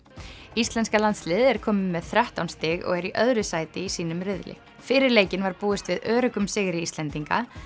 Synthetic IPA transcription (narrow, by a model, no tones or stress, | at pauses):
ist̪lɛnskalant̪slɪːðɛɾ̥kʰɔːmɪmːɛðθɾaht̪awnst̪ɪɣɔ̰ɣɛɾiʔœðɾʏsaːjt̪ɪisiːnʏmɾɪðlʔɪ̰ | fɪːɾɪɾleːjcɪnvaɾpuːɪst̪vɪðœːɾʏkʏmsɪɣɾɪist̪lɛnt̪iŋka̰